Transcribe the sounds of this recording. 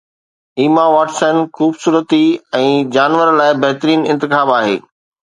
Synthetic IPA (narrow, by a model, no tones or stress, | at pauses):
iːmaʋaːʈsənxuːbsuːɾət̪iɛ̃ːd͡ʑaːnʋəɾlaːɪbɐɦt̪ɾiːnɪ̃nt̪ɪxaːbaːɦḛː